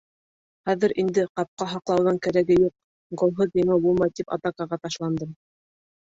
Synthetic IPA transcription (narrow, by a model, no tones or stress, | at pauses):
χæðɘ̆ɾʔind̪ɘqɑp̚qɑɦɑqlˠɑwðɑŋkæɾæɡɘjuq̚ | ɡŏlˠɦoðiŋɘbulˠmɑjt̪ipɑ̰t̪ɑkɑʁɑt̪ɑʃlˠɑnd̪ɤm